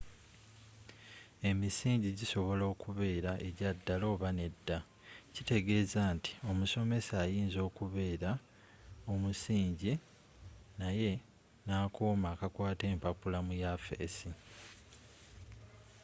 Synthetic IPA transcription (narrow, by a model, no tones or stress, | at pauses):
e̞misiːɲɟiɟiso̞βo̞lo̞ːkuβe̞ːɾaʔe̞ɟadːalo̞ːβane̞dːa | cite̞ɡe̞ːzaːnti̥o̞muso̞me̞saːjiːnzo̞ːkuβe̞ːɾa | o̞musiːɲɟi | naje̞ | naːkoːmaːkakwaːte̞ːmpapulamujafḛsi